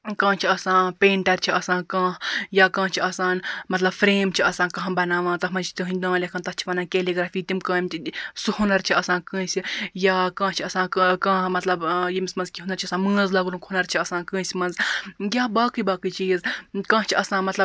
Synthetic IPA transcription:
kãːt͡ʃʰiɐsãːpeːɳʈɐɾʲt͡ʃʰiʔɐsãːnkãːhjaːkãːht͡ʃʰiɐsaːnmɐt̪lɐbfɾeːmt͡ʃʰiɐsãːnkɐ̃ɦbɐnaːʋãːt͡s̪ɐɦmɐnt͡ʃʰi̥t̪iɦɨɲʲd̪ãːlʲekant̪ɐht͡ʃʰi̥ʋɐnaːkeliɡɾaːfiːt̪imkãːimʲt̪isuhunɐɾt͡ʃʰiɐsãːnkɨ̃ːsʲijaːkãːht͡ʃʰiɐsãːkãːhmɐt̪lɐbjimisʲmɐnzkʲiɦunɐɾt͡ʃʰiɐsãːnmɨ̃ːzlɐɡlumkʰunɐɾt͡ʃʰiɐsãːnkɨ̃ːsʲmɐnzɡʲaːbaːkɨjbaːkɨt͡ʃiːzkãːht͡ʃʰiʔɐsãːnmɐt̪lɐ

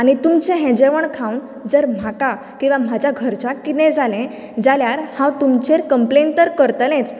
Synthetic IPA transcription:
anit̪umt͡ɕɛ̃ɦɛ̃d͡ʑeʋəɳkʰãwn | d͡zəɾm̤aka | kĩw̃ʋam̤ad͡ʑʱjaɡʱəɾt͡ɕakit̪ɛ̃d͡zalɛ̃ | d͡zaljaɾhãwt̪umt͡ɕeɾkəmplent̪əɾkəɾt̪lɛ̃t͡s

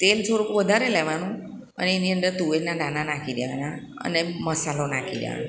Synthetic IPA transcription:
t̪elt͡ʃʰoɾukuʋəd̪ʱaɾelɛʋanũ | ə̰neniənd̪əɾt̪uʋenanananakʰid̪eʋana | ə̰neməsalonakʰḭd̪jḛʋa̰na

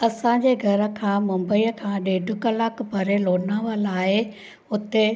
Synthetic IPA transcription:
ɐsãɲd͡ʑeːɡʱɐɾə̆kʰãːmʊ̃mbəiːəkʰãːɗeːɖʱʊ̆kəlaːkbʱɐɾeloːnaːʋəlaːɪ | ʊt̪e

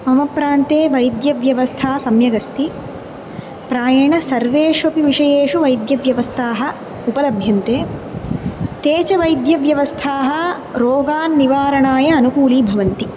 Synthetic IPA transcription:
mɐmɐpɾaːnt̪eːʋɐjd̪jɐʋjɐʋɐst̪ʰaːsɐmjɐɡɐst̪i | pɾaːjɐɳɐsɐɾʋeːʂʋɐpiʋiʂɐjeːʂuʋɐjd̪jɐʋjɐʋɐst̪ʰaːɦɐ̆ | upɐlɐbʱjɐnt̪eː | t̪eːt͡ʃɐʋɐjd̪jɐʋjɐʋɐst̪ʰaːɦɐ̆ | ɾoːɡaːnːiʋaːɾɐɳaːjɐːnukuːliːbʱɐʋɐnt̪i

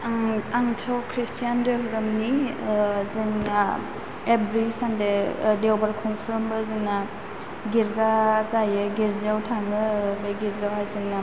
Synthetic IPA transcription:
ŋaŋtʰɔkʰɾistijandɯɦuɾɯmni | zɯŋa | ebɾisandedewbaɾkʰɔŋpʰɾmbɐzɯŋna | ɡiɾzazajɯɡiɾziawtʰaŋɯbejɡiɾzawhajzɯŋna

